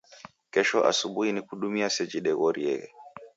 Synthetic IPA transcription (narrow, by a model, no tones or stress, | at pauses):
kɛʃɔʔa̰subuinikuɗumiasɛd͡ʒiɗɛɣoɾiɛ̰ɡɛ̰